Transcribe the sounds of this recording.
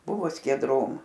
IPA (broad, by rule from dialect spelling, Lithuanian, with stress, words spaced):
ˈbʊʋoː sʲkʲiɛˈdroːm